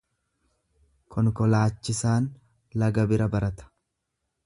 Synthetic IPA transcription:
kʰɔŋkɔlaːt͡ʃːɪsaːn | lɐɡɐbɪɾɐbɐɾɐt̪ɐ̥

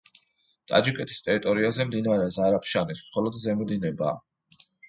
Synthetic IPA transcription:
t̪ʼa̰d͡ʒikʼɛt̪ʰi̥st̪ʼɛɾit̪ʼɔɾiazɛmd̪inaɾɛzaɾapʰʃanismχɔlˠɔd̪zɛmɔd̪inɛba̰ː

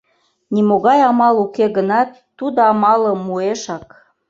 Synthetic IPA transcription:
nimoɣɑjɑmɑlukeɣənɑt̪ːud̪oɑmɑləmueʃɑk

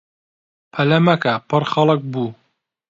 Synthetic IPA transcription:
pʰɐlɐmɐkapɨrxɐlɨk̚buː

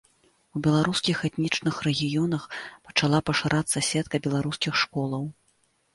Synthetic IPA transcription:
ubʲɛlˠaɾuskʲixɛt̪nʲit͡ʂnɨxrɛɣʲijɔnɐxpɐ̥t͡ʂalˠapɐʂaɾʔat̪sːɐsʲɛt̪̚kɐbʲɛlˠaɾuskʲixʂkɔlˠɐw

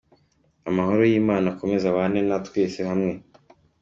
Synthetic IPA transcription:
amaho̞ɾo̞jiːmaːnako̞me̞zaβanenatweːsehamŋe̞

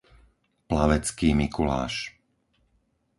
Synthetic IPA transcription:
plaʋɛt͡skiːmikula̰ːʃ

